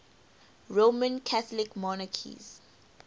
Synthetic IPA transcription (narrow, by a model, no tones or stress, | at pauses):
ɹomə̃nkʰaθɔlikmɔnakʰḭz̥